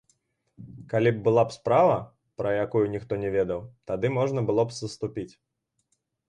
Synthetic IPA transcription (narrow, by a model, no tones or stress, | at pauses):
kalʲib̚bɨlˠapspɾavɐ | pɾɐjakujunʲixt̪ɔnʲɛvʲɛd̪ɐwt̪ad̪ɨmɔʐnɐbɨlˠɔpsɐst̪upʲit͡sʲ